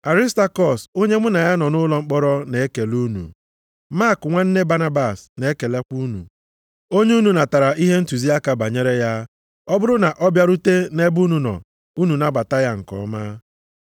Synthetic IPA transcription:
a˨ɾi˦sta˦kɔ˦˨so˦ɲe˦mʷʊ˦na˨ja˦nɔ˨nʊ˦lɔ˦ŋ͡m̩˦k͡pɔ˦ɾɔ˦ne˨˦e˦ke˨lu˦nṵ˨ | ma˦˨kŋʷa˦n̩˦ne˦ba˦na˦ba˦˨sne˨˦ke˨le˦kʷu˦nṵ˨ | o˦ɲ˦u˦nu˨na˨ta˨ɾa˨ʔi˦ɦe˦n̩˦tu˨zi˦a˦ka˨ba˨ɲe˦ɾe˦ja˦ | ɔ˦bʊ˦ɾʊ˦na˨ʔɔ˦bja˦ɾu˦te˦ne˦bu˦nu˨nɔ̰˨ | u˦nu˨na˦ba˨ta˦ja˦ŋ̩˨kɔ̰˨˦ma˦

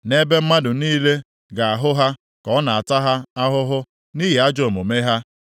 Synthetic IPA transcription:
ne˦be˦m̩˦ma˦dʊ˨niː˦le˦ | ɡa˨a˨ɦʊ˦ɦa˦ | kɔ˨˦na˨a˨ta˦ɦa˦a˦ɦʊ˦ɦʊ˦ | ni˦ɦi˨a˦d͡ʒo˨mo˨me˦ɦa˦

